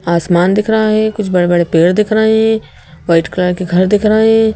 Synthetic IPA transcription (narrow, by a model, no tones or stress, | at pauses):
aːsmaːnd̪ɪkʰɾɐɦaɦɛkʊt͡ʃʰbɐɽebɐɽepeːɽd̪ɪkʰɾɐɦeɦɛ̃ | ʋaːɪʈklaːkeɡʱɐɾd̪ɪkʰɾɐɦɦɛ̃ː